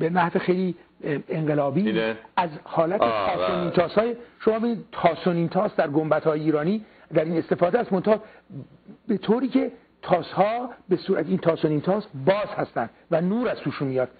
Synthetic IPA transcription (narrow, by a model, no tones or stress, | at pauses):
benæhzexejliː | eŋɢelɒːbiæzhɒːlæt̪ʰet̪ʰɒːsoniːnt̪ʰɒːshɒːjeʃomɒːbed̪id̪t̪ʰɒːsoniːnt̪ʰɒːsd̪æɾɡombæt̪ʰhɒːjeiːɾɒːniː | d̪æɾiːne̞st̪e̞fɒːd̪eæst̪mo̞nt̪ʰɒ | be̞t̪ʰoːɾiːcʰe̞ | t̪ʰɒːshɒːbesuːɾæ̰t̪ʰiːnt̪ʰɒːsoniːnt̪ʰɒːsbɒːzhæst̪ænd̪̥vænuːɾæzt̪uːʃunmijɒːd̪̥̚